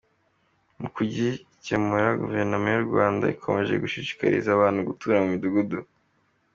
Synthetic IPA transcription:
mukuɟi | cemuɾaɡṵve̞ɾnomujuɾɡwaːnda̰ikʰo̞̰me̞ʒe̞̰ɡuʃiʃi̥ka̰ɾḭzaːβaːn̥huɡutuɾamumiduɡudu

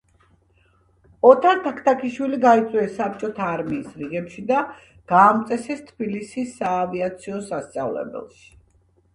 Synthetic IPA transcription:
ɔt̪ʰaɾt̪ʰakʰt̪ʰakʰiʃwiliɡait̪sʼwɛːsːap̚t͡ʃʼɔt̪ʰaːɾmiːsɾiɡɛpʃid̪a | ɡ̥aːmt̪sʼɛsɛst̪ʰb̥ilisisːaːviat̪sʰiɔsast̪sʼavlɛ̰bɛ̰lˠʃi̥

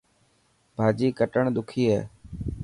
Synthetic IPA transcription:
bʱaːd͡ʒiːkəʈəɳd̪ʊkʰiːɦɛ̰ː

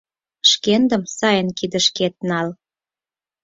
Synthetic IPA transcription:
ʃkend̪ə̆msɑjənkid̪ə̆ʃket̪̚nɑl

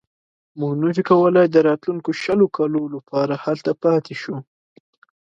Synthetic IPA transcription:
mʊɡnəfikawəlajd̪əɾɑt̪luŋkoʃəlokɑlolapɑɾahalt̪apɑt̪ʰeʃu

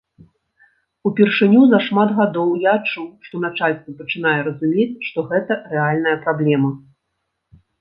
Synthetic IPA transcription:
upʲɛrʂɨnʲuzɐʂmad̪ɣad̪ɔwjaːt͡ʂuwʂt̪ɔnat͡ʂalʲst̪vɐpɐt͡ʂɨnajɛɾɐzumʲet͡sʲʂt̪ɔɣɛt̪ɐrɛalʲn̪ɐjɐpɾablʲɛmɐ

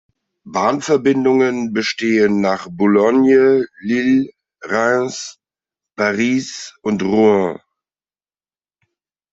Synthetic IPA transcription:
baːnfɛɐbɪndʊŋənbəʃteːənːaːχbʊlɔnjəlil | ʁaɪs | paʁiːsʊntʁoɔ̃

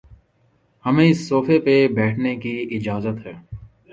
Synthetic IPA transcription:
hɐmẽɪsːoːfepebɛːʈʰnekiɪd͡ʒaːzət̪ɦɛː

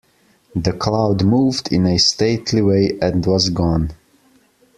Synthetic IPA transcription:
ðɨkʰl̥aʊdmuvdɪ̃nɨsteɪtʰliweɪʔɨ̃nwʌzɡɔ̃n

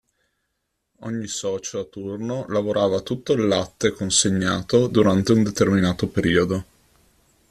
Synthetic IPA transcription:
ɔ̰ɲːisɔːt͡ʃoat̪urnolavoɾʔaːvat̪ut̪ːolːat̪ːekonseɲːaːt̪od̪uɾant̪eund̪et̪erminaːt̪opeɾiːod̪o

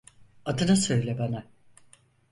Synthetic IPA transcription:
ad̪ɯnasø̞jlʲɛbana

